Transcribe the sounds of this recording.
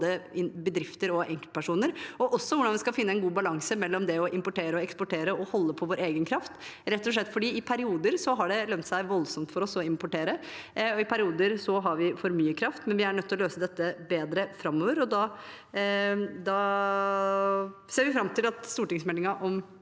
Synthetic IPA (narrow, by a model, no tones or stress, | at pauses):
d̪əɪbəd̪ɾɪft̪əɾɔʔɛŋkəlpʰæʂuːnəɾɔʔɔsːɔʋʊɖɑnʋɪskɑfɪnːəɛnɡuːbɑlɑŋsəmɛlːɔmd̪ɛɔʔɪmpɔʈeːɾəɔɛkspɔʈʰeːɾəɔhɔlːəpʰɔʋoːɾeːɡənkʰɾɑft̪ɾɛt̪ːɔʂɭɛt̪ːfɔɖiːɪpʰæɾɪuːd̪əɾsɔɦɑɖɛlœnt̪sæɪʋɔlsɔmt̪fɔɾɔsɔɪmpɔʈeːɾəɔɪpʰæɾɪuːd̪əɾsɔɦɑɾʋɪfɔɾmyːəkʰɾɑft̪mɛnʋɪæɳœt̪ʰːlɔløːsəd̪ɛt̪ːəbeːd̪ɾəfɾɑmːoːʋəɾɔd̪ɑ | d̪ɑː | seːɾʋɪfɾɑmt̪ʰɪlɑt̪st̪uːʈɪŋsmɛlɪŋɑʔɔm